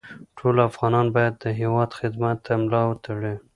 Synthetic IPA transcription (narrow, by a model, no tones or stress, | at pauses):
ʈʰolafɣɑnɑnbɑjad̪ːəɦewɑd̪xɪd̪mat̪ːamlɑwət̪aɽe